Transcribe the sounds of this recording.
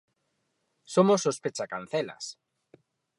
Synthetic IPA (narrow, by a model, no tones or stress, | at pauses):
somosːospet͡ʃakan̟θela̰s